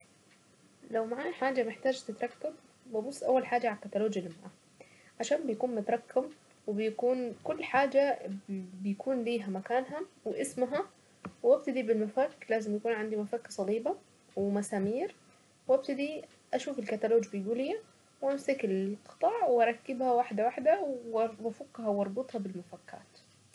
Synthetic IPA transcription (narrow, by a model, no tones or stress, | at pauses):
lawmaʕaːħaːd͡ʒamɪħt̪aːd͡ʒt̪ɪt̪ɾˤɑkːab | babʊsˤːʔawːalħaːd͡ʒaʕakːat̪aloːd͡ʒjalɪmaʕaː | ʕaʃaːnbɪjakuːnmʊt̪ɾˤɑkːam | wɪbɪjakuːnkʊlːħaːd͡ʒa | bɪjakuːnliːɦamakaːnɦawɪʔɪsmɦa | wʔab̚t̪ad̪ibɪlmafakːlaːzɪmjakuːnʕand̪imafakːasˤɑliːba | wɪmasaːmiːɾ | wʔab̚t̪ad̪i | ʔaʃuːfɪlkat̪aloːd͡ʒbɪjɡuːlɪja | wʔamsakɪlqɨ̥t̪ˤɑːʕwʔɑɾˤɑkːɪbhawaħd̪awaħd̪awwafʊkːɦawɑɾˤbɨt̪ˤhɑbɪlmafakːa̰ːt̪